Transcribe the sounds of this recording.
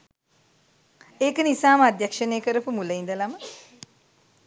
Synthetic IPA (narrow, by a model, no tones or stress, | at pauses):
eːkənisaːməad̪jakʂənejəkəɾəpumuləind̪əlamə